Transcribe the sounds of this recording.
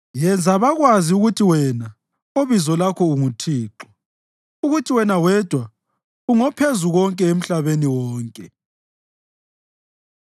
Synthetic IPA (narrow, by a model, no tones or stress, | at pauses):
jɛnd͡zʱaβaɣwaziuɣutʰiwɛna | oβizɔlakʰɔuŋutʰiːǁɔ̥ | uɣutʰiwɛnawɛd̥ʱwa | uŋɔpʰezuɣɔŋkʼɛem̩ɬaβeniwɔːŋkʼɛ